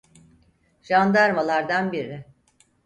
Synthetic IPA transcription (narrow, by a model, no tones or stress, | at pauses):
ʒand̪aɾmalˠaɾd̪anbiɾɪ